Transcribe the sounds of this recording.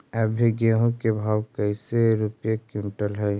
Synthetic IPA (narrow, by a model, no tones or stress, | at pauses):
ɛbʱeɡẽɦõkebʱaːwkəɪseɾupjekũnʈəlɦɛ